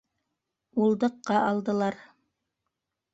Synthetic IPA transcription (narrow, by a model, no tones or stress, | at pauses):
ulˠd̪ɤ̆qːɑʔɑlˠd̪ɤ̆lˠɑɾ